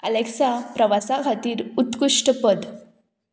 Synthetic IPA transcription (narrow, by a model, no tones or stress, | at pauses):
ə̰leksapɾəʋasaɡʱat̪iːɾut̪kuʂʈəpəd̪